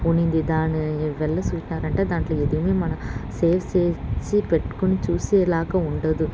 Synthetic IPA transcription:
unind̪id̪aːniʋɛɭːɐt͡ʃuːt͡ʃnaːɾɐɳʈeːd̪aːɳʈloːed̪imeːmɐnɐmseːft͡ʃeːt͡ʃipeʈːu̥konit͡ʃuːseːlaːkɐuɳɖɐd̪u

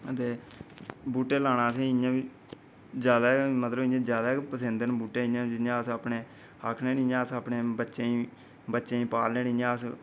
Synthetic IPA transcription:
ət̪eː | buːʈeːlaːɽ̃aːsẽːɪjãːʋiː | d͡ʒjaːd̪aːmət̪ləbɪãːd͡ʒjaːd̪aːpəsẽnd̪ənbuːʈːeːɪjãːãːəsapneː | aːkʰneːnɪɲãːəsapneːbətːʃeːĩː | bətːʃẽːĩːpaːlneːnɪãːəs

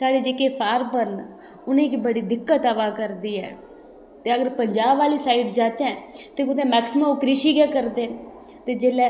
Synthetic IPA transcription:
saːɽeːd͡ʒeːkeːpʰaːɾbən | ʊnẽːɪkbəɽiːd̪ɪkːət̪əʋaːkəɾd̪iːɛ̰ː | t̪eːəɡəɾpəɲd͡ʒaːbʋaːliːsaːiʈd͡ʒaːt͡ʃɛ̃ːt̪eːkʊt̪ẽːmɛːksɪmə̃mkɾɪʃiːɡɛːkəɾd̪eːn | t̪eːd͡ʒeːlɛː

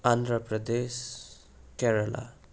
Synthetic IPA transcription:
and̪ɾʌpɾʌd̪es | keɾʌla̰

